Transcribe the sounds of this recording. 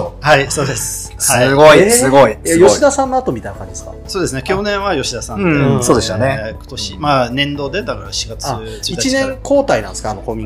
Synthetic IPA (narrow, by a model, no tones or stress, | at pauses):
haiso̞ːd̪esɨ̥ | shaiɡoiɨɡoijajo̞ɕid̪asãnːoat̪o̞mʲit̪ajnakãɲd͡ʑid̪eska̰so̞ːd̪esɨnekʲo̞ːnẽ̞ɰ̃βajo̞ɕid̪asãnẽsoːd̪esoneko̥t̪oɕimanẽ̞nd̪o̞ːd̪ed̪akaɾaɕiɡat͡sɨ | t͡sɨit̪at͡ɕinẽ̞ŋko̞ːt̪ainãnd̪eskano̞̰komʲĩ